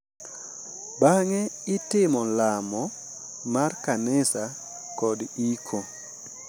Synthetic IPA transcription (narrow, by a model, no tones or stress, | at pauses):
baŋɛɪtɪmɔlamɔ | markanɪsa | kɔdikʰo